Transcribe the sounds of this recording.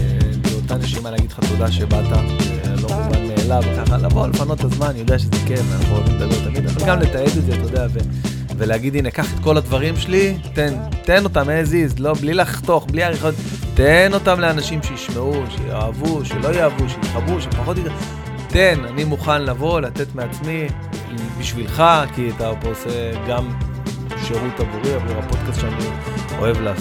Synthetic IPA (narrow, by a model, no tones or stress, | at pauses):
ebeot̪anaʃimalaɡid̪lχat̪o̞d̪aʃebat̪aχelo̞mumanmeːlavekaχala̰vo̞lefanotazmanjo̞d̪eaʃezekefeaχozezalot̪amid̪exalɡamlet̪aeded̪zeat̪ajod̪eave | veleaɡidinekaχet̪ko̞lad̪vaʁimʃelit̪ent̪e̞no̞t̪amezizlo̞blilaχt̪o̞χbliaʁeχot̪ | t̪eno̞tamle̞anaʃimʃejiʃmeuʃe̞̰jo̰avuʃelo̞joavuʃejit̪χabuʃefaχo̞t̪id̪a | te̞nanimuχanlavo̞late̞t̪meat͡smi | biʃvilχakiat̪apːseɡam | ʃe̞ʁutabuʁiavalʁapo̞d̪kast̪t͡ʃeanio̞e̞vla